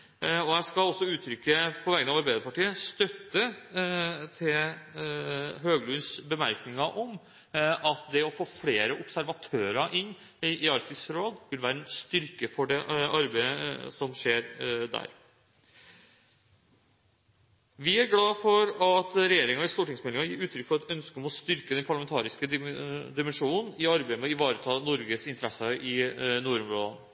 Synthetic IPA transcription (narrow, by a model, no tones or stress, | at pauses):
ɔjæɪskɑlɔsːɔʉːt̪ʰɾʏkːəpʰɔʋɛːɡənɑʋɑɾbæɪəpɑʈiːəst̪œt̪ːə | t̪ʰɪl | ɦøːɡlʉnsbəmæɾknɪŋɑʔɔm | ʔɑt̪d̪ɛɔfoːfleːɾəʔʊpsæɾʋɑt̪ʰøːɾɑʔɪnː | ʔɪɑɾkt̪ɪsɾoːd̪ʋɪlʋæːɾənst̪ʏɾkəfɔɖɛʔɑɾbæɪəsɔmʂeːɾd̪æ̰ːɾ | ʋɪæɾɡlɑːfɔɾɑt̪ɾɛjeːɾɪŋɑɪst̪uːʈɪŋsmɛlɪŋɑjiːɾʉːt̪ʰɾʏkfɔɾɑt̪œnskəɔmɔst̪ʏɾkəd̪ɛnpʰɑɭɑmɛnt̪ʰɑːɾɪskəd̪ɪmɛnʂuːnnn̩ɪɑɾbeɪəmɛɔɪʋɑːɾət̪ʰɑːnɔɾɡəsɪnt̪əɾɛsəʔɪnuːɾʊmɾoːd̪ɑn